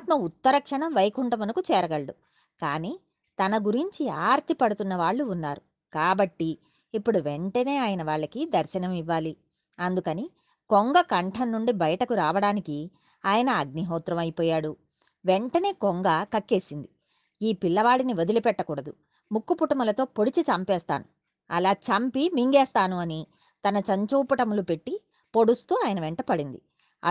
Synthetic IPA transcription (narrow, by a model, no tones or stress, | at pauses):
at̪mɐut̪ːɐɾɐkʂɐɳɐmʋɐjkuɳʈɐmɐnɐkut͡ʃɛːɾɐɡɐɭɽu | kaːniː | t̪ɐnɐɡuɾiɲt͡ʃiaːɾt̪ipɐɽut̪unːɐʋaːɭːuːnːaːɾu | kaːbɐʈːiː | pːuɽuʋeɳʈɐne̞ːaːjɐnɐʋaːɭːɐkid̪ɐɾʃɐnɐmiʋːaːli | ɐnd̪ukɐni | koŋɡɐkɐɳʈʰɐnːuɳɖibɐjɐʈɐkuɾaːʋɐɽaːniki | aːjɐnɐːɡ̚niɦɔːt̪ɾɐmɐjpɔːjaːɽu | ʋeɳʈɐne̞ːkoŋɡɐkɐkːe̞ːsind̪i | iːpilːɐʋaːɽiniʋod̪ilupɛʈːɐkuːɽɐd̪u | mukːupuʈɐmɐlɐt̪o̞ːpo̞ɽit͡ʃit͡ʃɐmpɛːst̪a̰ːnu | ɐlaːt͡ʃɐmpimiŋɡɛːst̪aːnuɐni | t̪ɐnɐt͡ʃɐɲt͡ʃuːpɐʈɐmlupe̞ʈːi | po̞ɽust̪uːaːjɐnɐʋɛɳʈɐpɐɽind̪i